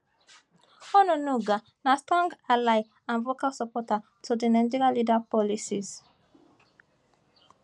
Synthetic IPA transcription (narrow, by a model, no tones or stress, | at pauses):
hɔnunuɡa | nastɾɔ̃ŋɡalaj | ãnvokalsɔpɔta | tʰodinɛ̃nd͡ʒiɾalidapɔlisiz